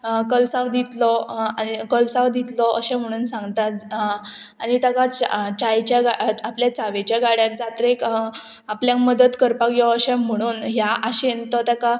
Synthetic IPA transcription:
kəlsaʋd̪it̪lɔanikəlsaʋd̪it̪lɔʔəɕɛ̃m̤əɽ̃uːnsãŋɡt̪at̪ | aɽit̪akat͡ɕajt͡ɕjaɡat̪apljat͡saʋet͡ɕjaɡaɽjat̪̚d͡zat̪ɾek | apljãkməd̪ət̪kəɾpakjɔəɕɛ̃m̤əɽ̃uːnɦjaʔaɕent̪ɔt̪aka

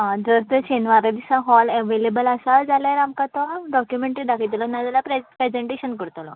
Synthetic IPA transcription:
ɦãd͡zəɾt̪ət͡ɕenʋaɾad̪isaɦɔlɛʋelebəlasad͡zalaɾamkat̪ɔɖɔkjumẽɳʈɾid̪akʰit̪lɔnad͡z̪alapɾepɾɛd͡zeɳʈeɕənkəɾt̪lɔ

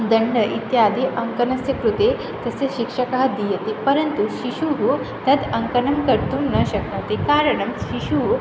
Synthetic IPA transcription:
d̪əɳɖəʔit̪jaːd̪ʱiʔəŋkənɐsjəkɾut̪e | t̪əseɕikʂəkaɦd̪ijet̪epəɾənt̪uɕiɕuɦu | t̪ʰəd̪ɐŋkənɐmkəɾt̪uːnnːəɕɐk̚nɐʋt̪ekaɾəɳɐmɕiɕu

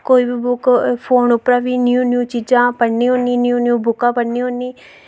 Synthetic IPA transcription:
koːiːbiːbʊkpʰoːnʊpɾãːʋiːnjuːnjuːt͡ʃiːd͡ʒãːpəɽniːɦoːniːnjuːnjuːbʊkãːpəɽnĩːɦoːniː

